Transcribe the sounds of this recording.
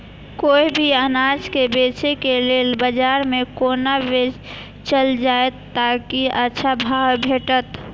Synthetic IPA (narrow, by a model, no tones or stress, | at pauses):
koːibʱiənad͡ʒkebeːt͡ʃekeleːlbəd͡ʒaːɾmẽkoːnaʋed͡ʒ | t͡ʃəld͡ʒaːet̪ːakiətːʃʰabʱaːwbʱeːʈət̪